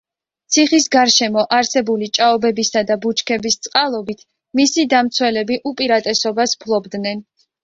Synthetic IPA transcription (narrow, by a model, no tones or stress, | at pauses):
t̪sʰiχisɡaɾʃɛmɔʔaɾsɛbulit͡ʃʼaɔbɛbisad̪abut͡ʃʰkʰɛbist̪sʼqʼalˠɔbit̪ʰ | misid̪amt̪sʰwɛlɛbiʔupʼiɾat̪ʼɛsɔbaspʰlˠɔbd̪nɛn